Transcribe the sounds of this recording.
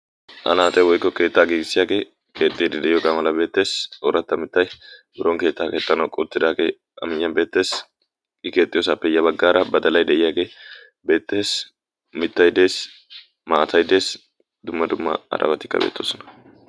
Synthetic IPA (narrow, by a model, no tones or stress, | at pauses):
ʔɐ̰naːt̪ʼɛwɔjkːɔke̞ːt̪ːaːɡiːɡɪsːɪjaːɡe̞ː | ke̞ːt̪ʼːiːd̪ɪd̪ɛʔɪjɔɡɐmɐlɐbe̞ːt̪ːe̞ːsoɾɐt̪ːɐmɪt̪ːɐjbɪɾɔŋke̞ːt̪ːaːke̞ːt̪ːɐnɐwkʼɔt̪ːɪd̪aːɡe̞ː | ɐ̰mɪjːɐnbe̞ːt̪ːe̞ːs | ɪke̞ːt̪ʼːɪjoːsapːɛjːɐbɐɡːaːɾɐbɐd̪ɐlɐjd̪ɛʔɪjaːɡe̞ː | be̞ːt̪ːe̞ːs | mɪt̪ːɐjd̪e̞ːs | maːt̪ʰɐjd̪e̞ːs | d̪ʊmːɐd̪ʊmːɐ̰ɐ̰ɾʔɐ̰bɐt̪ɪ̥kːɐ̰bḛːt̪ːoːsɔnɐ̥